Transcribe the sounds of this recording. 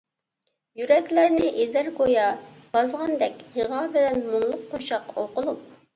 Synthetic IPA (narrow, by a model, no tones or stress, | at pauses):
jyɾɛkʲlæɾnɪʔezæɾɡojɑ | b̥ɑzʁɑnd̪ɛkʲjəʁɑbɪlɛnmuŋlˠʊqqːoʃɑqoqʊlˠup̚